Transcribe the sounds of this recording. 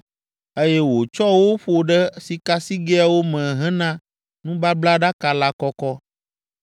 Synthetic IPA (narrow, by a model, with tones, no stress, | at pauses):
e˦jɛ˦wo˨t͡ʃɔ˦wo˦ɸo˨ɖɛ˦si˨ka˦si˦ɡɛ˦a˨wo˦mɛ̃˨ɦɛ̃˦nã˦ | nũ˦ba˦bla˦ɖa˦ka˨la˦kɔ˦kɔ˦